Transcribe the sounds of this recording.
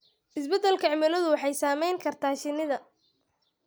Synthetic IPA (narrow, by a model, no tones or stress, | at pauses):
ʔɪsbɛd̪ːɛlkʰɐʕɪmɐlɐðʊwɑħɑjsaːmɛjŋkʰɐrt̪ʰaːʃɪnɪðɐ